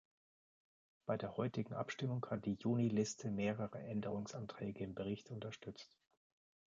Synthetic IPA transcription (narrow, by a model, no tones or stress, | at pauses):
b̥aɪdeːɐhɔʏtɪɡŋ̩ʔa̰pʃtɪmʊŋhat̚d̥iːjuːnilɪstʰəmeːʁ̞əʁə̰ʔɛndəʁ̞ʊŋsʔantʁ̥ɛːɡəɪmbəʁ̞ɪçtʔʊntɐʃtʏt͡st